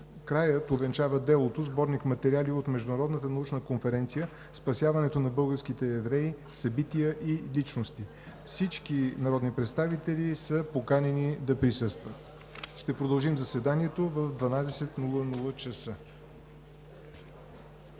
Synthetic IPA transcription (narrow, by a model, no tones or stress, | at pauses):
kɾajət̪ovɛnt͡ʃavəd̪ɛlˠot̪ozbɔɾnikmɐt̪ɛɾialiot̪mɛʒd̪unɐɾɔd̪nət̪ənɐut͡ʃnəkonfɛɾɛnt̪sijə | spɐsjavɐnɛt̪onɐbɤlˠɡəɾsk̟it̪ɛːvɾɛi | sɐbit̪iəʔilit͡ʃnost̪i | fsit͡ʃkinɐɾɔd̪nipɾɛt̪st̪avit̪ɛlisəpokanɛnid̪ɐpɾisɤst̪vət̪ | ʃt̪ɛpɾod̪əlˠʒimzɐsɛd̪aniɛt̪ovəvd̪vɐnad̪ɛsɛt̪nulˠənulˠət͡ʃəsə